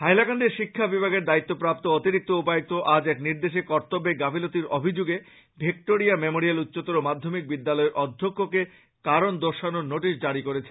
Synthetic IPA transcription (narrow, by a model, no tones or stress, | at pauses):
ɦajlakaɳɖeɾʃikʰːabibʱaɡeɾd̪ait̪ːopɾap̚t̪oot̪iɾik̚t̪oupajek̚t̪oʔad͡ʑɛkniɾd̪eʃekɔɾt̪obeɡabʱilot̪iɾo̰bʱid͡ʑuɡe | bʱek̚ʈoɾijamemoɾialut̪ːɕot̪oɾomad̪ʱːomik̚bid̪ːalɔeɾʔɔd̪ʱːokʰːoke | kaɾond̪oɾʃanoɾnoʈiʃd͡ʑaɾikoɾet͡ɕʰe̥